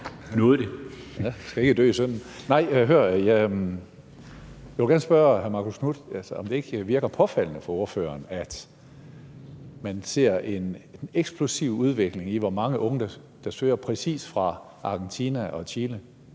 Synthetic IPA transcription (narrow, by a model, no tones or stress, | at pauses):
nɔːð̩ˠd̥e | æsɡ̥æe̝ɡ̥əd̥ø̰ːisœn̰n̩nɑ̈ɪ̰ɦøɐ̰jæ | jæʋelɡæɐːnəsb̥ɶɐhæɐmɑ̈ːkʰo̝skʰnud̥ælsəɒ̽md̥e̝e̝ɡ̥əʋiɐɡ̥ɐpʰɒ̽fæl̰nəfɒ̽o̝ɐfø̰ːɐːnæd̥ | mænse̝ɐ̰e̝neɡ̥sb̥ʰlusiʊuð̞ˠʋe̝ɡ̥le̝ŋiʋɒmɑ̈ŋəʔɔ̽ŋəd̥ɑ | d̥ɑ̈sø̰ːɐpʰʁɛsḭːsfʁɑ̈ | ʔɑ̈ːɡ̥ent͡sʰiːnæʔɒ̽t͡ɕʰiːlə